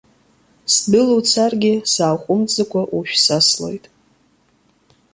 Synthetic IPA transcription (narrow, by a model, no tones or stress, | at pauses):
sdɨlut͡sʰarɡʲɪsaːχʷʼʊmt͡sʼakʷʰʼaʔuʃᶣsaslo̞̰jtʼ